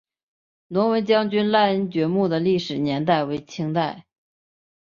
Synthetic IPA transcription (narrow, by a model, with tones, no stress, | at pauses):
nʊ˧˥ŋwə˧˥nt͡ɕjɑ˥ŋt͡ɕy˥nla˥˧ə˥nt͡ɕɥɛ˧˥mu˥˩d̪ə˩li˥˩ʂɻ̩˨˩njɛ˧˥nt̪a˥˩ɪwe˧˥ɪt͡ɕʰi˥ŋt̪a˥˩ɪ